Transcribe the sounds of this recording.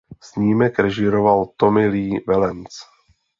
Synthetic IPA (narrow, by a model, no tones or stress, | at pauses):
sɲiːmɛkɾɛʒɪɾovalt̪o̞mɪliːvɛlɛnt͡s